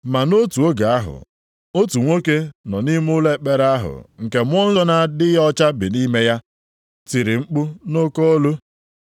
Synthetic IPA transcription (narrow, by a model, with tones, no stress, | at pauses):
ma˨no˦tu˨o˦ɡa˨a˦ɦʊ̰˨ | o˦tu˨ŋʷo˦ke˦nɔ˨ni˦m˦ʊ˦le˦k͡pe˦ɾa˦ɦʊ̰˨ŋ̩˨ke˨mʷ˦ɔ˦n̩˦zɔ˦na˦dɪ˦jɔ˦t͡ʃa˦bɪ˨ni˦me˦ja˦ | ti˨ɾɪ˨ŋ͡m̩˦k͡pʊ˦no˦ko˦o˦lu˦